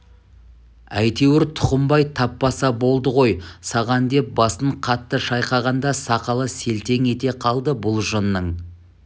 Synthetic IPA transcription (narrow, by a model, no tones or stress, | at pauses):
æjt̪e̞wɪɾt̪ʰʊ̥qəmbɑjt̪ʰɑpːɑsɑbo̞lˠd̪əʁo̞jsɑʁɑnd̪e̞p̚bɑsəɴqʰɑt̪ːəʃɑjqɑʁɑnd̪ɑsɑqɑlˠəse̞lt̪e̞ŋe̞t̪e̞qʰɑlˠd̪əbʊlˠʒənːəɴ